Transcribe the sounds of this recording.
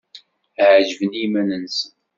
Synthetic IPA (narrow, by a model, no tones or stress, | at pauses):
ʕʒəvənimænənsən